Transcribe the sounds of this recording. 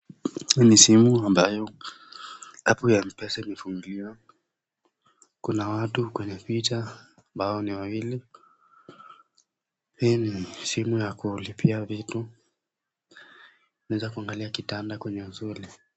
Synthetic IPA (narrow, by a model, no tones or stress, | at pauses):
hinisimuambajɔ | apujam̩pɛsɛmɛfuŋɡiwa | kunawatukwɛɲɛpitaambaɔniwawili | hinisimujakulipiavitu | naɛzakuaŋɡaliakitandakwɛɲɛuzuli